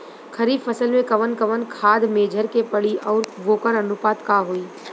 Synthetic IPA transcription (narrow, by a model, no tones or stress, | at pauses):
kʰɐɾiːbfɐsəlmẽkɐʋənkɐʋənkʰaːd̪meːd͡ʒʱəɾkepɐɽiʔɔːɾʋoːkəɾɐnʊpaːt̪kaɦoːiː